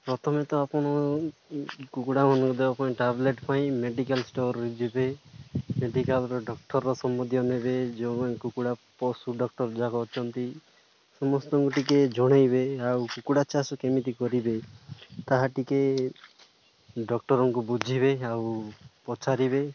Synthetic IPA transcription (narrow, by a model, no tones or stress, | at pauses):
pɾɔt̪ʰɔmet̪ɔapɔɽ̃ɔ | kukuɽamanɔŋkud̪ebapaĩʈableʈpaĩmeɖikalsʈoɾːid͡ʒʱibemeɖikalɾɔɖɔk̚ʈɔɾːɔsɔmɔd̪jɔnebed͡ʒeũakukuɽapɔsuɖɔkʈɔɾd͡ʒakɔːt͡ʃʰɔnt̪i | sɔmɔst̪ɔŋkuʈiked͡ʒɔɽ̃ajbeawkukuɽat͡ʃasɔkemit̪ikɔɾibet̪aɦaʈike | ɖɔkʈɔɾɔŋkubud͡ʒʱiβeawpɔt͡ʃaɾibe